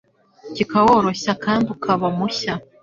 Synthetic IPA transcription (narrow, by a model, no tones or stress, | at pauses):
cʲikawoɾoɕakʰambukʰaβamuɕa